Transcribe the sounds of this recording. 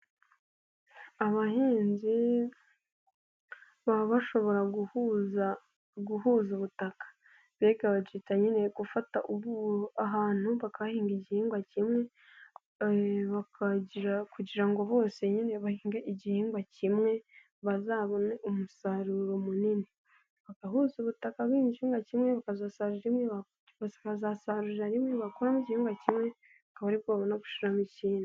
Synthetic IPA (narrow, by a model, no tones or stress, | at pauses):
aβahiːnzi | βaβaʃo̞βo̞ɾa | ɡuhuːzuβutakḁ | βeɡaβat͡ʃitaɲine̞ɡ̥ufataʔuβuaɦaːn̥huβakaahiːŋɡiɟihiːŋɡwacimŋe̞ | βakakuɟiɾaŋɡo̞βo̞ːse̞ɲine̞βahiːŋɡeʔiɟihiːŋɡwacimŋe̞ | βazaːβo̞neʔumusaɾuɾo̞munini | βakaɦuzuβutakaβwiːɲd͡ʒihiːŋɡacimŋe̞βakazaːsaɾuaɾimŋeβa | βoːseβazaːsaɾuiɾaɾimŋeβakoɾamiɟihiːŋɡwacimŋe̞ | akaβaɾiβɡoβaβonaɡu̥ʃuɾamiciːni